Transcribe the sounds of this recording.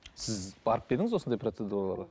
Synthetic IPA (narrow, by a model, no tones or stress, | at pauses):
sɪzbɑɾəp̚be̞d̪ɪŋɪzwond̪ɑjprot̪sed̪uɾalˠɑ̰ɾ